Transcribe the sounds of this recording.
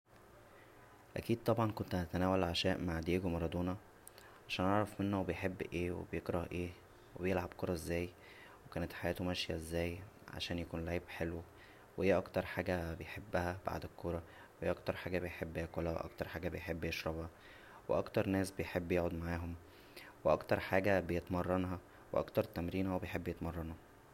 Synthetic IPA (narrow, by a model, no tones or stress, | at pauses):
ʔæ̰kiːd̪̚t̪ˤɑbʕɑnkont̪næt̪ænæːwælʕaʃæːʔmaʕd̪ijeɡomɑɾˤɑd̪ˤoːnɑ | ʕaʃæːnʔɑʕɾˤɑfmenːobejħebːʔeːwḛbejekɾˤɑhʔeː | webejelʕabkoɾˤɑʔezːæːj | wekæːnet̪ħajæːt̪omæʃjæezːæːj | ʕa̰ʃæːnjækuːnleʕbħelwe | wehejːæʔɑkt̪ɑɾˤħaːɡæbejħebːæhæb̥a̰ʕd̪ekʰːoɾˤɑ | whːæʔɑkt̪ɑɾˤħaːɡæbejħebːjækolæwḛʔɑ̰kt̪ɑɾˤħaːɡæbejħebːjeʃɾˤɑbhɑ | weʔɑkt̪ɑɾˤnæːsbejħebːjeːʕod̪maʕaːɦom | weʔɑkt̪ɑɾˤħaːɡæbejet̪mɑrˤːɑnɦɑ | wḛʔɑ̰kt̪ɑɾˤt̪æmɾiːnhæwbejħebːjet̪mɑrˤːɑnu